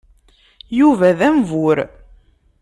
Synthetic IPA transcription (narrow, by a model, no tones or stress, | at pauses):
juvæðæmvʊɾ